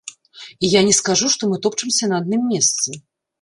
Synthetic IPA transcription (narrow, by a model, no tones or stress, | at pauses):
ijanʲɛskaʐuʂt̪ɔmɨt̪ɔpt͡ʂɨmsʲɐnɐːd̪̚nɨmːʲɛst̪sɨ